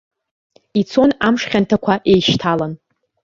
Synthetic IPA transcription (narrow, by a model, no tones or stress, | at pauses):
it͡sʰo̞namʂχʲantʰakʷʰaʔe̞jʃtʰalan